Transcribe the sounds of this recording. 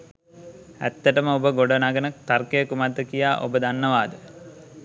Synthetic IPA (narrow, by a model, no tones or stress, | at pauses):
æ̰t̪ːəʈəməobəɡoɖonaːɡənək̚t̪arkəjəkumad̪ːəkijaːʔo̰bəd̪anːəʋaːd̪ə